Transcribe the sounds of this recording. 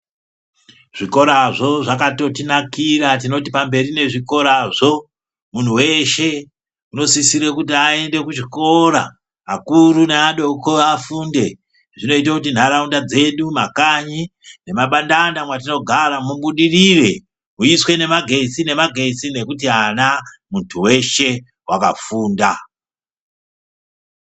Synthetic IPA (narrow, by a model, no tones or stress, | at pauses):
ʐ̥iko̞ɾaʐo̞ʐakato̞tinakiɾat̬ino̞t̬ipambe̞ɾine̞ʐiko̞ɾaʐo̞ | mun̤uwe̞ʃe̞ | uno̞sisiɾekut̬iae̞nde̞kut͡ʃiko̞ɾa̰ | akuɾuneaɗo̞koafunde̞ | ʐino̞it̬akut̬in̤aɾaundad͡ze̞ɗumakaɲine̞maɓandandamwat̬ino̞ɡʱaɾamuɓuɗirire | muiswe̞ne̞maɡʱe̞sine̞maɡʱe̞sine̞kutianamuntʰuwe̞ʃe̞ | waka̰fuːnda